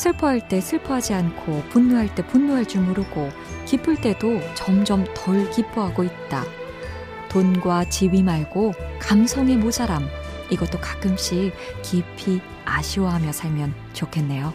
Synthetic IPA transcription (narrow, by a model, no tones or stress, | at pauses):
sʰɯɭpʰʌɦaɭt͈e̞sʰɯɭpʰʌɦad͡ʑiankʰopunːuɦaɭt͈e̞punːuɦaɭt͡ɕuɭmuɾɯɡo | kip͈ʰɯɭt͈e̞dot͡ɕʌmd͡ʑʌmtʰʌɭkip͈uɦaɡoit̚t͈a̰ | tonɡwat͡ɕiwimaɭɡokamsʰʌŋe̞mosaɾam | iɡʌt͈okak͈ɯmɕ͈ikipʰi | a̰ɕʰiwʌɦamjʌsʰaɭmjʌn | t͡ɕokʰe̞nːe̞jo